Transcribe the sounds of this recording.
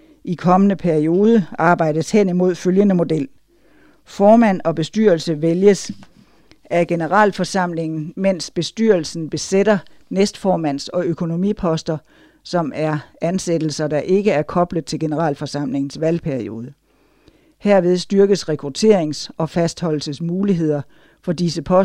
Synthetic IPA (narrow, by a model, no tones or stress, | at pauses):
ʔikʰɒ̽mənəpʰæɐio̝ːð̞ˠəɑ̈ːb̥ɑ̈ɪ̰d̥əshen̰imo̝ð̞̰ˠføljənəmo̝d̥el̰ | fɒːmæn̰ɒ̽b̥e̝sd̥yːɐlsəʋeljəs | æɡ̥e̝nəʁɑ̰̈ːlfɒ̽sɑ̈m̰le̝ŋn̩men̰sb̥e̝sd̥y̰ɐlsn̩b̥e̝sed̥ɐnesd̥fɒːmæn̰sɒ̽økʰo̝no̝mḭːpʰɒ̽sd̥ɐ | sɒ̽mæɐænsed̥l̩sɐd̥ɑ̈ʔe̝ɡ̥əæɐkʰɒ̽b̥ləð̩ˠt͡sʰe̝lɡ̥e̝nəʁɑ̰ːlfɒ̽sɑ̈m̰le̝ŋn̩sʋælpʰæɐio̝ːðˠə | heɐ̰ʋe̝ð̞ˠsd̥yɐɡ̥əsʁɛkʰʁut͡sʰe̝̰ɐ̰e̝ŋsɒ̽fæsd̥hɒ̽l̰l̩səsmuːliɦe̝ð̞̰ˠɐ | fɒ̽disəpʰɒ̽